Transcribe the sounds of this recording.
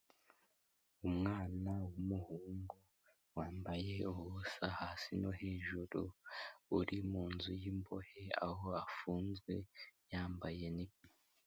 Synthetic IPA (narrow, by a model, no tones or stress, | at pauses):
umŋaːnawumuhuːŋɡo | waːmbaje̞uβusahaːsinoheːʒuɾuuɾimuːnzujimbo̞̰hea̰hoafuːnzɡwe̞jaːmbaje̞nimi